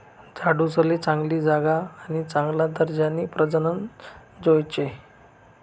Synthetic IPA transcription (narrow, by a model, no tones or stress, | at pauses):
d͡zʱaɽusəlet͡sãŋɡliːd͡zaɡaːnit͡sãŋɡlad̪əɾd͡ʑanːiːpɾəd͡zənən | d͡zojt͡ɕe